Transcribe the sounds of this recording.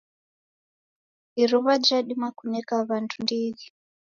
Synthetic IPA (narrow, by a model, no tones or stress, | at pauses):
iɾuβad͡ʒaɗimakunekaβantʰundiːɣi